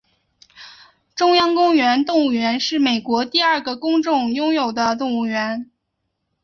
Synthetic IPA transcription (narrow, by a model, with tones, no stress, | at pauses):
ʈ͡ʂʊ˥ŋjɑ˥ŋkʊ˥ŋɥɛ˧˥nt̪ʊ˥˧ŋu˥˩ɥɛ˧˥nʂɻ̩˥˩me˨˩ɪkwɔ˧˥t̪i˥˧ɐ˞˥˩ɡə˩kʊ˥ŋʈ͡ʂʊ˥˩˧ŋjʊ˥ŋjo˨˩ʊd̪ə˦t̪ʊ˥˧ŋu˥˩ɥɛ˧˥n